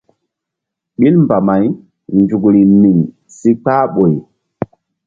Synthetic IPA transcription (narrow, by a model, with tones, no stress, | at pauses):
ɓi˦lmba˨ma˨˦j | nd͡ʒu˨kɾi˨mi˨ŋ | si˦k͡paː˦ɓo˨j